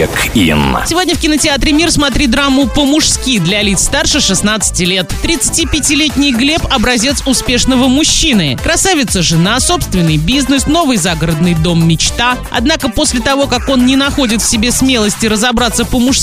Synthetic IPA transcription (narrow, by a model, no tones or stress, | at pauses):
kḭnsʲɪvo̞dʲnʲəfkʲɪnətʲɪat̪ɾʲɪmʲirsmɐt̪ɾʲid̪ɾamːʊpəmʊʂskʲid̪lʲɐlʲit̪st̪arʂɨxʂɨsnat̪sɨ̥tʲɪlʲe̞t̪t̪ːɾʲɪt̪sɨ̥tʲipʲɪtʲɪlʲetʲnʲɪjɡlʲe̞pɐbɾɐzʲe̞t̪sʊspʲe̞ʂnəvəmʊɕːinɨkɾɐsavʲɪt̪səʐɨnaso̞pst̪vʲɪnːɨjbʲiznɨsno̞vɨjzaɡəɾəd̪nɨjd̪o̞mːʲɪt͡ɕt̪a | ɐ̰d̪nakəpo̞sʲlʲɪt̪ɐvo̞kako̞nnʲɪnɐxo̞dʲɪt̪fsʲɪbʲe̞smʲe̞lˠəsʲtʲɪɾəzɐbɾat̪səpəmʊʂs